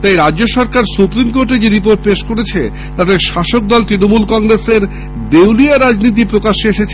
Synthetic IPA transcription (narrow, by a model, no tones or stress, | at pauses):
t̪ajɾad͡ʑoʃɔɾkaɾsupɾimkoɾʈed͡ʑeɾipoɾʈ̚peʃkoɾet͡ɕʰe | t̪ad̪eɾʃaʃok̚d̪ɔlt̪ɾinomulkɔŋɾeseɾ | d̪ewliaɾad͡ʑnit̪̬ipɾokaʃeeʃet͡ɕʰ